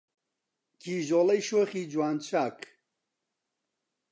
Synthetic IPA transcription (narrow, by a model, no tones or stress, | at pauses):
kʰiːʒolɐjʃoːχiːd͡ʒwaːnt͡ʃʰaːk